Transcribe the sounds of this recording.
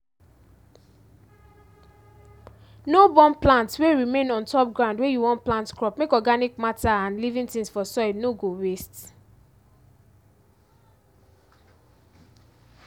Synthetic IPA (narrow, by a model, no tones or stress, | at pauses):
nobɔ̃mplãntsweɹimẽnɔ̃ntɔp̚ɡɹãʊ̃ndwejuwɔ̃ntplãntkɹɔpmekɔɡanikmataãnlivĩntĩŋsfɔsɔɪnoɡoɹest